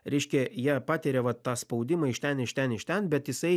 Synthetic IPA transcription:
ɾʲɛɪʃʲkʲɛjiɛpɑːt̪ʲeːɾʲɛʋɐt̪ːɑːspɒʊd̪ʲɪmɐɪʃt̪ʲɛnɪʃt̪ʲɛnɪʃt̪ʲɛnbʲɛt̪jɪsɐɪ

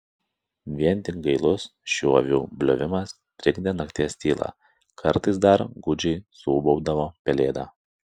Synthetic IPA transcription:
ʋʲiɛnʲt̪ʲɪkɡɐɪlˠʊsʃʲuɔʋʲuːbʲlʲoʋʲɪmɐs | t̪ʲɾʲɪɡd̪ʲenɐkt̪ʲiɛsʲt̪ʲiːlˠɑ̰ː | kʰɐɾt̪ɐɪs̬d̪ɐɾɡʊd͡ʒʲɛɪsuːbɔʊd̪ɐʋoːpʲɛlʲeːd̪ɑː

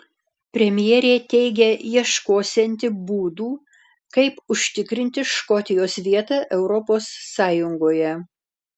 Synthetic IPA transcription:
pʲɾʲɛmʲɪjɛɾʲeːt̪ʲɛɪɡʲɛjiɛʃkoːsʲɛnʲt̪ʲɪbuːd̪uː | kɐɪpʊʃʲt̪ʲɪkɾʲɪnʲt̪ʲɪʃkɔt̪ʲɪjoːsʋʲiɛt̪ɑʔɛʊɾɔpoːsːɑːjʊŋɡoːjɛ

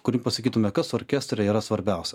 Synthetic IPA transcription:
kʊɾʲiːpɐsɐkʲiːt̪ʊmʲɛkɐsɔːɾʲkʲɛst̪ʲɾʲɛiːɾɐsʋɐɾʲbʲæˑʊsʲɛ

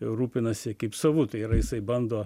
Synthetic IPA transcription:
jɛʊɾuːpʲɪnɐsʲɪkɐɪpsɐʋʊt̪ɐɪiɾɐjɪsɐɪbɐnd̪oː

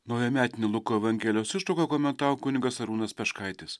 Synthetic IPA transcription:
nɐʊjɛmʲæːt̪ʲɪnʲɪlˠʊkoːɐʋɐŋʲɡʲɛːlʲɪjoːsɪʃʊkoːkoːmʲɛnt̪ɑːʋokʊnʲɪɡɐsɐɾuːnɐspʲɛʃkɐɪt̪ʲɪs

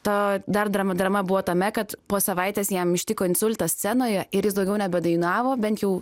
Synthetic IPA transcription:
t̪ɐd̪ɐrd̪ɾɐmɐd̪ɾɐmɐbʊʋoːt̪ɐmʲɛkɐt̪poːsɐʋɐɪt̪ʲeːsjɛmɪʃʲt̪ʲɪkoːɪnsʊlʲt̪ɐsʲt͡s̪ʲænoːjɛɪɾjɪsd̪ɐʊɡʲɛʊnʲɛbʲɛd̪ɐɪnɑːʋoːbʲɛnt̪jɛʊ

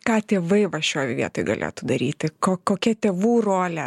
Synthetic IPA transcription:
kɑːt̪ʲeːʋɐɪʋɐʃʲoːjʋʲiɛt̪oːjɡɐ̰lʲʔḛːt̪ud̪ɐɾʲiːt̪ʲɪkoːkoːkʲɛt̪ʲeːʋuːroːlʲɛ

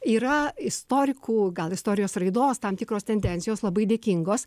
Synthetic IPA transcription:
iːɾɐɪst̪oːɾʲɪkuːɡɐlˠɪst̪oːɾʲɪjoːsrɐɪd̪oːst̪ɐmt̪ʲɪkɾoːst̪ʲɛnʲd̪ʲɛnʲt̪sʲɪjoːslˠɐbɐɪd̪ʲeːkʲɪŋɡoːs

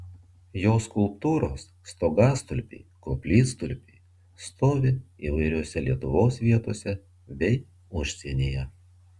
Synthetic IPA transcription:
joːskʊlˠpt̪uːɾoːsːt̪oːɡɑːst̪ʊlʲpʲḭːkopʲlʲiːst̪ʊlʲpʲiː | st̪oːʋʲɪ | iːʋɐɪɾʲoːsʲɛlʲiɛt̪ʊʋoːsʋʲiɛt̪oːsʲɛ | ʋʲɛɪ | ʊʃʲsʲinʲeːjɛ

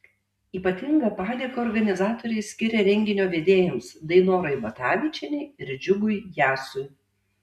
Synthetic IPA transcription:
iːpɐt̪ʲɪŋɡɐpɑːd̪ʲeːkɐɔɾɡɐnʲɪzɑːt̪oːɾʲɛɪsʲkʲɪɾʲɛɾʲɛŋʲɡʲɪnʲoːʋʲeːd̪ʲeːjʊmsd̪ɐɪnoːɾɐɪbɐt̪ɑːʋʲɪt͡ʃʲɛnʲɛɪɪɾʲd͡ʒʲʊɡʊɪjæːsʊɪ

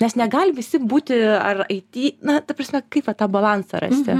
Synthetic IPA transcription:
nʲɛsnʲɛɡɐlʲʋʲɪsʲɪbuːt̪ʲɪɐrɐɪt̪ʲiːnɐt̪ɐprɐsʲmʲɛkɐɪpʋɐt̪ɑːbɐlˠɑnsɑɾɐ̰sʲt̪ʲɪ̰

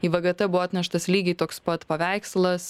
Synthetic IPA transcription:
iːʋɐɡɐt̪ɐbʊʋɔɐt̪ʲnʲɛʃt̪ɐslʲiːɡʲɛɪt̪oːkspɐt̪pɐʋʲæɪkslˠɐs

